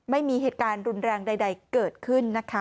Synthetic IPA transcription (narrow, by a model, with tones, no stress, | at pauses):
ma˥˩jmiː˧ɦeː˨˩t̪̚kaː˧nɾu˧nɾɛː˧ŋda˧jda˧jkɤː˨˩t̪̚kʰɯ˥˩nːa˦˥kʰa˦˥